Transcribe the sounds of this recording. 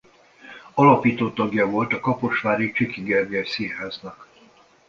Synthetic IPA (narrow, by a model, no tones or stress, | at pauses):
ɒlɒpiːt̪oːt̪ːɒɡjɒvo̞lt̪ɒkɒpo̞ʃʋaːɾikt͡ʃikiɡɛrɡɛsiɦaːznɒk